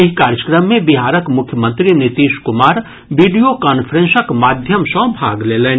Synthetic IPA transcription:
ɪɦkaːɾjəkɾəmːẽbɪɦaːɾəkmʊkʰjəmə̃nt̪ɾinɪt̪iːʃkʊmaːɾ | ʋiːɖijokaːnpʰəɾẽnsəkmaːd̪ʱjəmsɔ̃ːbʱaːɡleːleːn

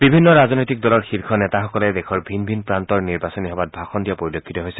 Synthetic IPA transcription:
b̥ibʱinːɔɹaznojtik̚dɔlɔɹxiɹkʰɔnɛtaxɔkɔlɛdɛkʰɔɹbʱinbʱinpɹantɔɹniɹbasɔniɦɔbat̚bʱaxɔndijapoɹilokʰːitɔɦojsɛ̥

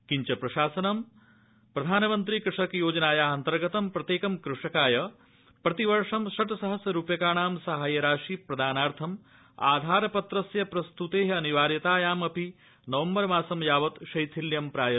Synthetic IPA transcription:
kiɲt͡ʃɐpɾɐʃaːsɐnɐm | pɾɐd̪ʱaːnɐmɐnt̪ɾikɾɪʂɐkjoːd͡ʒɐnaːjaːɐnt̪ɐɾɡɐt̪ɐmpɾɐt̪jeːkɐmkɾuʂɐkaːjɐ | pɾɐt̪iʋɐɾʂɐmʃɐʈɐsɐɦɐsjɐɾuːpjɐkaːɳaːmsɐɦaːjɐɾaːʂipɾɐd̪ʱaːnaːɾt̪ʰɐm | a̰ːd̪ʱaːɾɐpɐt̪ɾɐsjɐpɾɐst̪ut̪eːɦɐɐniʋaːɾjɐt̪aːjaːmɐpi | nɐʋɐmbɐɾmaːsɐmjaːʋɐt̪ʃɐjt̪ʰiljɐmpɾaːjɐ

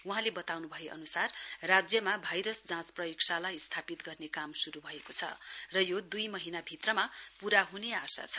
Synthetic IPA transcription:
uɦãlebʌt̪awnubʱʌeʔʌ̰nusarrad͡zjʌmabʱajɾʌsd͡zãt͡sprʌjiksalajst̪ʰapit̪ɡʌrnekamsuɾubʱʌekot͡sʰʌ̰rʌjod̪ujmʌɦinabʱit̪rʌmapuɾaɦuneasa̰t͡sʰʌ̥

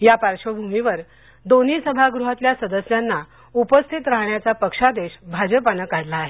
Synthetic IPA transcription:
japaɾʂəbʱumiʋəɾ | d̪oniːsəbʱaɡɾuɦat̪ljasəd̪əsjanːa | upəst̪ʰit̪ɾaɦɳjat͡sapəkʂad̪eɕbʱad͡zəpanəkaɽlaːɦe

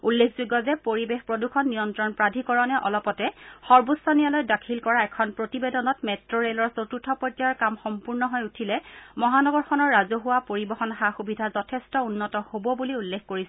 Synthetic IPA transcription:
ulːekʰzuɡɔzɛpoɹibexpɹodukʰɔnːijɔntɹɔnpɹadʱikɔɹɔnɛʔɔlɔpɔtɛxɔɹbusɔnijalɔjdakʰilkɔɹaɛkʰɔnpɹotibedɔnɔtmɛtɹoɹelɔɹsotutʰɔpɔtɔɹkamxɔmpuɹnɔɦɔjutʰilɛmɔɦanɔɡɔɹxɔnɔɹːazɔɦuwapoɹibɔxɔnxaxubidʱazɔtʰestɔunːɔtɔhobɔbuliulːekʰkoɹisɛ

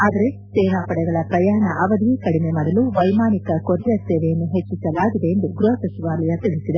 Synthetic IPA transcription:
aːd̪ɐɾe̞seːɦaːpɐɽɛɡɐɭɐpɾɐjaːɳɐʔɐʋɐd̪ʋikɐɽime̞mɐɽɐluʋɐjmaːnikɐkoɾijɐseːʋejɐnːuɦet͡ʃːisɐlaːɡid̪e̞ːnd̪uɡɾuɦɐsɐʃiʋaːlɐjɐt̪iɭisid̪e

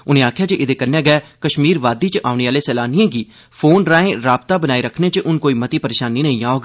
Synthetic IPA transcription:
ʊnẽːaːkʰjaːd͡ʒeːʔɪd̪eːkənːɛːɡɛːkəʃmiːɾʋaːd̪iːt͡ʃəʔaːʊneːaːleːsɛːlaːnijãːɡiː | pʰoːnɾaːẽːɾaːbt̪aːbənaːiɾəkʰneːt͡ʃəʔʊnkoːiːmət̪iːpəɾeːʃaːnːiːnəĩːaːoːɡaː

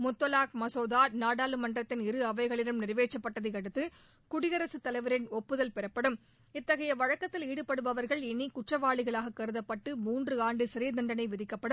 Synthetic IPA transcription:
mʊt̪ːɔlaːkmɐsoːðaːnaːɽaːlɯmɐndrɐt̪ːɪnɪɾɯɐʋɐɪɣɐɭɪɾɯmnɪrʋeːt͡ʃːɐpːɐʈːɐðɐɪkɐɽɯt̪ːɯ | kʊɽɪɣɐɾɐsɯt̪ɐlɐɪʋɐɾɪnɔpːɯðɐlpɛɾɐpːɐɽɯm | ɪt̪ːɐɣɐjɐʋɐɻɐkːɐt̪ːɪliːɽɯpɐɽɯʋɐʋɐɾɣɐɭɪnikʊʈrɐʋaːɭɪɣɐɭaːɣɐkɐɾɯðɐpːɐʈːɯmuːndrɯaːɳɖɯsɪɾɐjd̪ɐɳɖɐnɐɪʋɪðɪkːɐpːɐɽɯm

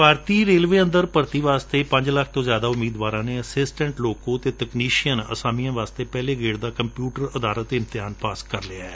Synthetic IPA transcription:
bʱaːɾt̪iːɾeːlʋeːə̃nd̪əɾpəɾt̪iːʋaːst̪eːpəɲd͡ʒlək̚ʰt̪õːzjaːd̪aːʊmiːd̪ʋaːɾãːneːəsɪsʈə̃ɳʈloːkõːt̪eːt̪əkniːʃijənə̰saːmijãːʋaːst̪eːpɛːleːɡeːɽd̪aːkəmpjuːʈəɾəd̪aːɾət̪ːɪnt̪ɪɦaːnpaːskəɾlɪaɛː

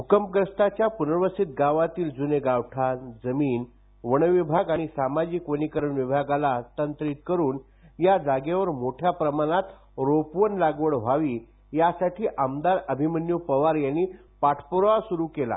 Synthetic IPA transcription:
ɦukəmp̚ɡɾəst̪at͡ɕjapunəɾʋəsit̪̚ɡaʋat̪iːld͡zuneɡaʋʈʰad͡zəmiːn | ʋəɽ̃ʋibʱaɡaɽ̃isamad͡ʑikʋənikəɾəɳʋibʱaɡalat̪ənt̪ɾit̪̚kəɾuːn | jad͡zaɡeʋəɾmoʈʰjapɾəmañat̪ | ɾopʋənlaɡʋəɽʋ̤aʋiː | jasaʈʰiːʔəmd̪aɾəbʱimənjupəʋaɾjanːiː | paʈʰpəɾasuɾuːkela̰

